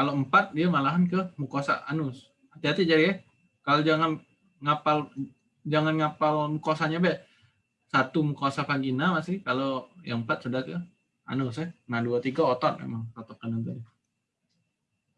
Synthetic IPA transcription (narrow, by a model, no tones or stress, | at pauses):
kaloəmpat̪̚diamalaɦankəmukosa̰ʔanʊs | hat̪iɦat̪id͡ʒadiɛ | kalod͡ʒaŋan | ŋapal | d͡ʒaŋanŋapalmukaasaɲabɛʔ | sat̪umukasafaŋɡinamasɪhkalojaŋəmpat̪̚sudahkə | a̰nʊsɛhnaduat̪iɡaot̪ɔt̪̚mḛmaŋsat̪ɔkanant̪adi